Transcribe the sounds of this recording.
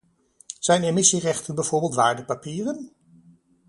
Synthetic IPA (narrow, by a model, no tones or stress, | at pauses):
z̥ɛjnemɪsirɛχtənbɛv̥ʊːɹbɪlˠtʋaːɹdəpapiːrən